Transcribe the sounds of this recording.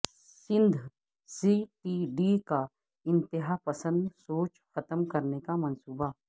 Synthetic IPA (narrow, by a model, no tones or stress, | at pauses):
sɪ̃nd̪ʱ | siːʈiːɖika | ɪ̃nt̪ɪɦapɐsə̃nd̪soːt͡ʃxɐt̪əmkɐɾnekamɐ̃nsuːba